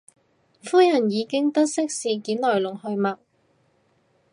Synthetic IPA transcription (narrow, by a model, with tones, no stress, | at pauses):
fuː˥jɐ˨˩njiː˨˧kɪ˥ŋt̪ɐ˥t̚sɪ˥k̚siː˨kiː˨˥nlɔː˨˩jlʊ˨˩ŋhɵ˧ɥmɐ˨k̚